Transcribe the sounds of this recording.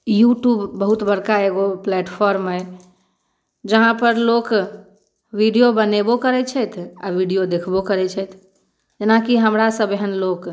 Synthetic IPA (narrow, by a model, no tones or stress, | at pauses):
juʈjubːəɦut̪bəɽkaeɡoplɛʈpʰɔɾmɦə | d͡ʒəɦãpəɾlok | ʋiɖijobənebokəɾɛt͡ʃʰɛjt̪ʰaʋiɖijod̪ekʰbokəɾɛt͡ʃʰɛjt̪ʰ | d͡ʒenakiɦəmɾasəbeɦənlok